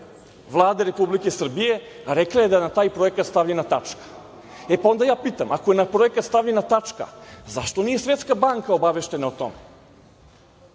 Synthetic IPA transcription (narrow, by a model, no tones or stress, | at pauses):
ʋlˠaːd̪aɾe̞publikesr̩bije̞ | ɾeklaje̞d̪aenat̪aːjpɾo̞e̞kat̪st̪aʋʎenat̪at͡ʂkḁ | epao̞nd̪ajaːpiːt̪amʔakoje̞napɾo̞e̞kat̪st̪aʋʎenat̪at͡ʂka̰zaʃt̪o̞nijesvʋe̞t̪skabaŋkao̞baʋe̞ʃt̪e̞naut̪o̰me